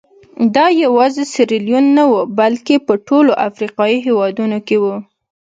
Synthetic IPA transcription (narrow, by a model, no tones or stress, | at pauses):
d̪ɑjawɑzesɪɾɪljunːawubalkepəʈoloʔafɾiqɑjiɦewɑd̪unokewu